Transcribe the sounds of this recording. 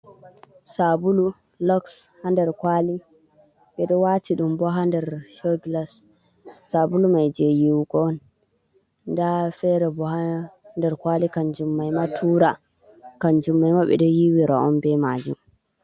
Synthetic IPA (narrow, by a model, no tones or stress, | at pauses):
sabulu | lɔks | handɛɾkwali | ɓɛɗɔwatʰiɗumbɔɦandɛɾʃɔɡlasː | abulumajd͡ʒejiwɡɔn | ndafɛɾɛbɔhandɛɾkwalikand͡ʒumːajmatʰuɾa | kand͡ʒumːajmaɓɛ̰ɗɔjiwiɾaɔnbɛmad͡ʒṵm